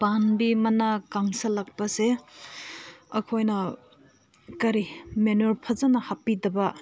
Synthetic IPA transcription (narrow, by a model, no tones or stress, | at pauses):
panbimɐnakaŋsɐlɐk̚pɐse | ɐkʰojnɐ | kɐɾimenuɾpʰɐzɐnɐhapːidɐbɐ